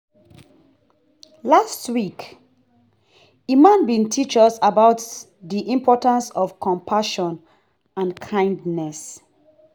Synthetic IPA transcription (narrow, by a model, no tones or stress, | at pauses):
lastwik | imãnbĩntʰit͡ʃɔsabaʊt | ðiʔĩmpʰɔtãnsɔfkʰɔ̃mpʰaʃɔ̃n | ãnkʰãɪ̃ndnɛs